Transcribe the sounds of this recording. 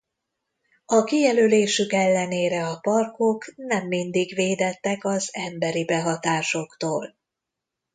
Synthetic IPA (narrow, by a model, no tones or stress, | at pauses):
ɒkijɛløleːʃykɛlːɛneːɾɛɒpɒrko̞knɛmːind̪iɡʋeːd̪ɛt̪ːɛkɒzɛmbɛɾibɛɦɒt̪aːʃo̞kt̪oːl